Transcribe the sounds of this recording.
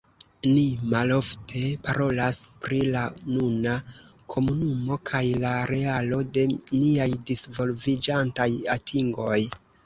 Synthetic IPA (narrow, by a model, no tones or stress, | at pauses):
nimalo̞ftʰe̞paɾo̞laspɾilanuna | kʰo̞munumo̞kʰajlaɾe̞alo̞de̞niajdisvo̞lvid͡ʒantajatʰiŋɡo̞j